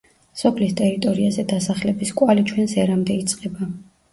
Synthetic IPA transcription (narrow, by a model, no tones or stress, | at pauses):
sɔpʰlist̪ʼɛɾit̪ʼɔɾiazɛd̪asaχlɛbiskʼwalit͡ʃʰwɛnsɛɾamd̪ɛit̪sʼqʼɛba